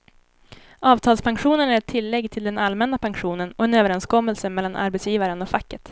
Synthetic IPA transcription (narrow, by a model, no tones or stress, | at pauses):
ʔɑːvt̪ʰɑːlspʰanɧuːnənæɾɛt̪ʰːɪlːɛɡːt̪ʰɪld̪ɛnalmɛnːapʰaŋɧuːnənɔɛnøːvəɾɛnskɔmːəlsəmɛlːanʔa̰ɾbɛt̪sjiːvaɾənɔfakːət̪